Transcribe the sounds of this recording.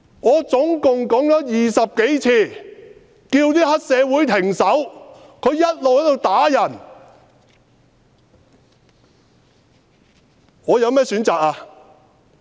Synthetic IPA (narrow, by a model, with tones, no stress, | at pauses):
ŋɔː˨˧t͡sʊ˨˥ŋkʊ˨ŋkɔː˨˥ŋt͡ʃɔː˨˥jiː˨sɐ˨p̚ke˨˥jt͡sʰiː˧˩ | kiː˧wt̪iː˥hɐ˥t̚sɛː˨˧wuː˨˥jt̪ʰɪ˨˩ŋsɐ˨˥w | kʰɵ˨˧ɥjɐ˥t̚lo˨whɐ˨˥jt̪o˨˧wt̪aː˨˥jɐ˨˩n | ŋɔː˨˧jɐ˨˧wmɛː˥˩syː˨˥nt͡saː˨k̚aː˧